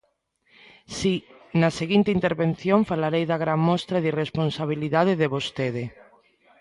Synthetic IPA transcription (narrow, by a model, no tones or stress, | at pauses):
si | naseɣint̪eint̪eɾβenθjoɱfalaɾejðaɣɾaŋmɔst̪ɾaðiresponsaβ̞iliðað̞eðeβost̪eðe